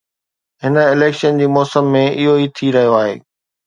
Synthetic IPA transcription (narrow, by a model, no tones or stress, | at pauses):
ɦɪnəɪleːkʃənd͡ʑiːmɔːsəmːẽɪɦoit̪ʰiɾɐɦijoaːɦḛː